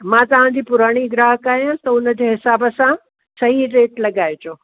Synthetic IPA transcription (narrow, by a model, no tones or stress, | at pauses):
mãːt̪ɐʋ̤ãd͡ʑiːpʊɾaːɽ̃iɡɾaːɦəkaːɦijãt̪ɐʊnə̆d͡ʑeːɦɪsaːbəsã | sɐɦiɾeːʈlɐɠaːet͡ɕoː